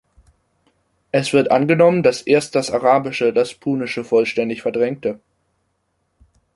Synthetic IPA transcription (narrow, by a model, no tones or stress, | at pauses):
ʔɛsv̥ɪɐtʔanɡənɔməndasʔeːɐst̚d̥asaʁaːbɪʃədaspʰuːnɪʃəfɔlʃtɛndɪçfɛɐdʁɛŋk̚tə